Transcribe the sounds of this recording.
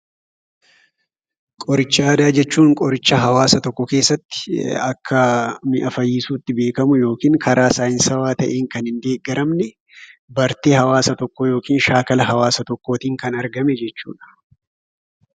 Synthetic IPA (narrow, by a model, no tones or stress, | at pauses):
kʼɔɾɪt͡ʃːaːd̪aːd͡ʒɛt͡ʃːuːŋkʼɔɾɪt͡ʃːɐɦɐwaːsɐt̪ɔkːɔke̞ːsːɐt̪ːɪ̥ɐkʰːɐmɪʔɐfɐjːiːsuːt̪ːɪbe̞ːkɐmʊjo̞ːkiːŋkʰɐɾaːsaːjɪnsɐwaːt̪ɐʔeːŋkɐnhɪnd̪e̞ːɡɐɾɐmnɛ | bɐɾt̪ihɐwaːsɐt̪ɔkːɔjo̞ːkiːnʃaːkɐlɐɦɐwaːsɐt̪ɔkːoːt̪iːŋkɐnɐɾɡɐmɛd͡ʒɛt͡ʃːṵːᶑɐ̥